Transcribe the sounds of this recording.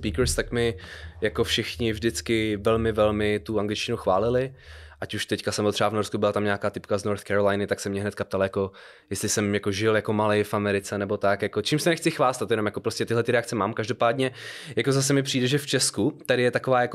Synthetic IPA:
piːkɾst̪akmɪjako̞fʃɪxɲɪvʒdɪt͡skɪvɛlmɪvɛlmɪt̪uaŋɡlɪt͡ʃcɪnuxvaːlɪlɪʔacuʃt̪ɛckasɛmbot̪r̥ɛavnoɾskubɪlat̪amɲaːkaːt̪ɪpkaznoɾθkɛɾolajnɪt̪aksɛmɲɛɦnɛt̪kapt̪aljako̞ | jɛst̪lɪsɛmjako̞ʒɪljako̞malɛjfʔamɛɾɪt͡sɛnɛbo̞t̪akjakot͡ʃiːmsɛnɛxt͡sɪxvaːst̪at̪jɛno̞mjakopɾoscɛt̪ɪɦlɛt̪ɪɾɛakt͡sɛmaːmkaʒdo̞paːdɲɛjakozas̬ɛmɪpr̝̥iːdɛʒɛft͡ʃɛskut̪aɾɪjɛt̪ako̞vaːjako

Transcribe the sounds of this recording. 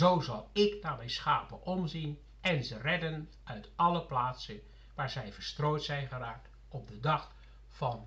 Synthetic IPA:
zowzɑlˠɪknaːmɛjnsxaːpəʔɔmzin | ɛnzərɛdən | œɥtɑləplaːtsə | ʋaːɹzɛjvərstroːjtsɛjnɣəraːk̚t | ɔb̚dədɑx | fɑn

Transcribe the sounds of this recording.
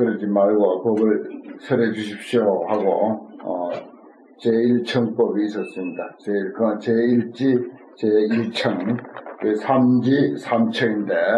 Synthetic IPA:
kɯɾʌd͡ʑimaɭɡʌpʌbɯɭsʰʌɾed͡ʑuɕʰip̚ɕ͈ohaɡo̰ʌ̰ | t͡ɕeiɭt͡ɕʰʌŋp͈ʌbiːs͈ʌs͈ɯmɲidat͡ɕekɯt͡ɕeiɭt͡ɕ͈i | t͡ɕeiɭt͡ɕʰʌŋkɯsʰamd͡ʑisʰamt͡ɕʰʌinde̞

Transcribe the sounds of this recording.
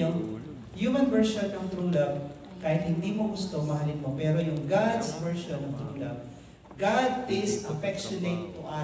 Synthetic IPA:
ʊŋ | juːmɐnvɛɹʃonːɐŋt̪ɾuŋlɐb̚ | kaːhɪt̪̚hɪnd̪iːmoɡʊst̪omɐhɐlɪnmopɛːɾojʊŋɡad̪svɛɹʃonːɐŋt̪ɾuŋlɐb̚ | ɡad̪̚pɪsɐfɛkʃʊnet̪ːʊʔa

